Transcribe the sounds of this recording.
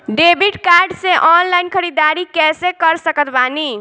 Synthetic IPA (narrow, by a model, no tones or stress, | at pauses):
ɖebʱiʈkaɾɖsẽʔɔnlainkʰəɾid̪aɾikɛsẽkəɾsəkət̪bani